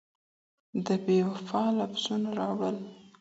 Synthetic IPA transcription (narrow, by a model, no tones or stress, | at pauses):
d̪əbewafɑlafz̥unaɾɑwəl